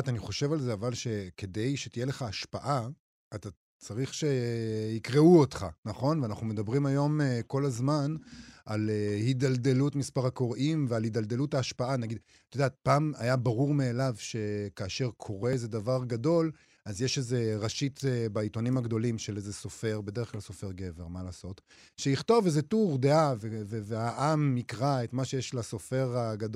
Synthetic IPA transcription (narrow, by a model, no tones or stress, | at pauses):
t̪aniχo̞ʃe̞valzeavalʃe̞ke̞de̞jʃe̞t̪ijele̞χaːʃpaʔaː | t̪a | t͡saʁiχʃe̞ikʁeuotχa̰naχo̞nveanaχnume̞d̪abʁimajo̞meko̞lazmanʔalehidaldelutmispaʁako̞ʁʔimvealidald̪e̞luthaːʃpaanaɡid̪ | t̪od̪aːt̪̚paːmajabaʁuʁmeːlavʃe̞kaːʃe̞ʁkʰo̞ʁeezed̪avaʁɡado̞l | azjeʃeze̞ʁaʃitebaito̞nimaɡd̪o̞limʃelezeso̞fe̞ʁbe̞d̪eeχklalso̞fe̞ʁɡe̞ve̞ʁmalaːso̞t | ʃejiχt̪o̞vezetuʁd̪eaveveveaʔamːikʁaet̪maʃejeʃlaso̞fe̞ʁaɡad